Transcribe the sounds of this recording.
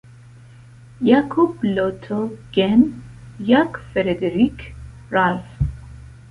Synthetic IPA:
jakʰublɔt̪ʰɔɡ̥ɛn | jakfɛɾed̪eɾikʰ | ɾalf

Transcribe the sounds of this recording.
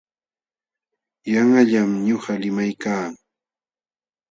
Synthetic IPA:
jaŋaʎamɲoɢɑlɪmajkaː

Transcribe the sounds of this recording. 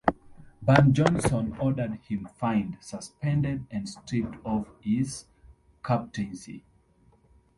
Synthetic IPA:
bãnd͡ʒɔ̃nsɔ̃nɔdə˞d̚hĩmfãɪ̃ndsəspʰɛ̃ndɛdɛ̃ndstʰɹip̚tʰɔvhiz̥ | kʰap̚tʰĩnsḭ

